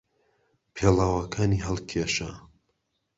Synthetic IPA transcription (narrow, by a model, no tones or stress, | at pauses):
pʰelˠaːwɐkʰaːniːɦɐlˠkʰeʃa